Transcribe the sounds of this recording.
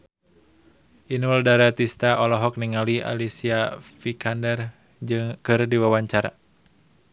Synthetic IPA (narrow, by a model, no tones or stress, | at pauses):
ʔinuldaɾat̪ist̪aʔɔlɔɦɔk̚niŋalia̰lisiafikʰandɛr | d͡ʒɨŋkɨrdiwawaɲt͡ʃaɾa̰